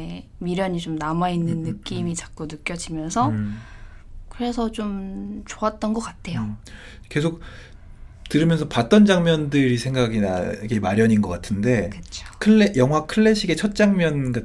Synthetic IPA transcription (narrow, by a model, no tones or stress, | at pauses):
miɾjʌɲit͡ɕomnamainːɯnːɯk͈imit͡ɕak̚k͈onɯk͈jʌd͡ʑimjʌnsʰʌ | kɯɾe̞sʰʌt͡ɕomt͡ɕoat̚t͈ʌnɡʌk͈atʰe̞jo | ke̞sʰok̚ | tɯɾɯmjʌnsʰʌpat̚t͈ʌnd͡ʑaŋmjʌndɯɾisʰe̞ŋɡaɡina̰ke̞maɾjʌɲinɡʌk͈atʰɯnde̞kɯt͡ɕʰo̥kʰɯɭːejʌŋwakʰɯɭːe̞ɕʰiɡe̞t͡ɕʰʌt̚t͡ɕ͈aŋmjʌnɡa